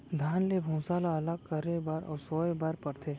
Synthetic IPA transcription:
d̪ʱaːnlebʱũːsaːlaɐlakkəɾebaːɾʔɔ̰ːsoːebaːɾpɐɾt̪ʰeː

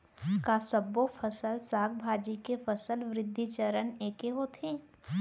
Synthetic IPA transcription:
kaːsəbːofʰəsəlsaːkbʱaːd͡ʒikefəsəlʋɾɪd̪ʱːit͡ʃəɾəneːkeɦot̪ʰẽː

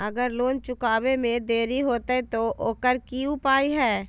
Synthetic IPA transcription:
əɡəɾloːnt͡ʃʊkaːwemẽd̪eːɾiɦoːt̪eɛt̪oʔoːkəɾkiʊpaːiɦɛː

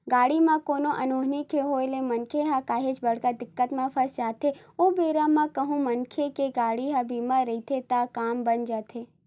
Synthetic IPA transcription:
ɡaːɽimãkoːnoʔənoːɦnikʰeɦoːelemənkʰeɦakaːɦet͡ʃbəɽ̤kad̪ɪkːət̪mãpʰəɾsd͡ʒaːt̪ʰe | obeːɾamãkəɦũmənkʰekeɡaːɽiɦabimãɾəɦit̪ʰet̪akaːmbənd͡ʒat̪ʰe

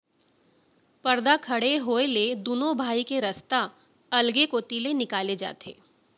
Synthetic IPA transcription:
pɐɾd̪akʰɐɽeɦoːeled̪unõbʱaːikeɾɐst̪a | ɐlɡekot̪ilenɪkaːled͡ʒa̰ːt̪ḛː

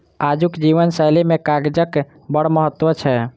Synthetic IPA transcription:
ad͡ʒukd͡ʒiʋənsajlemekaɡd͡ʒək | bəɽməɦət̪ːwət͡ʃʰɛ

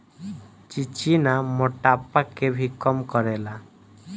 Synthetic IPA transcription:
t͡ʃit͡ʃinamoʈapakebʱikɔmkɔɾela

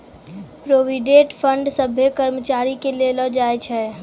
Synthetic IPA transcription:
pɾoʋiɖeʈpʰəɳɖsəbʱekəɾmət͡ʃaːɾikelelɔd͡ʒaɛt͡ʃʰɛ

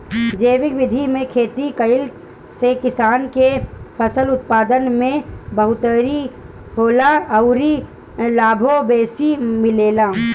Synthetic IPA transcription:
d͡ʒeːʋɪkʋɪd̪ʱimẽkʰeːt̪ikəɪl | sekɪsaːnkepʰəsəlʊt̪̚paːd̪ənmẽbəɦʊt̪əɾi | hoːlaɐʊɾi | laːbʱobeːsimɪleːlaː

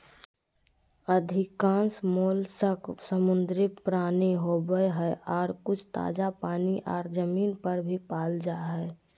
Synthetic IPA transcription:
əd̪ʱɪkãːnsmoːlsəksəmʊnd̪ɾɪpɾaːneɦobəeɦɛʔɔːɾkʊt͡ʃʰt̪a̰ːd͡ʒapaːniʔɔ̰ːɾd͡ʒəmiːnpəɾbʱipaːld͡ʒaɦɛː

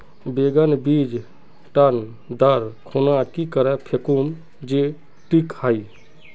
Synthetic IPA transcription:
beɡənbid͡ʒ | ʈən | d̪əɾkʰonakikəɾɛpʰekum | d͡ʒe | ʈikai

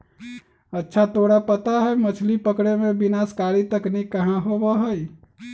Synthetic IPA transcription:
ətːʃʰat̪oɽapət̪aɦɛjmət͡ʃʰlipəkɽemẽbinaskaɾit̪əknikəɦãɦobəɦəj

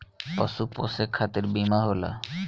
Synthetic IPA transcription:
pɔsuposekʰːat̪eɾbimaɦola̰

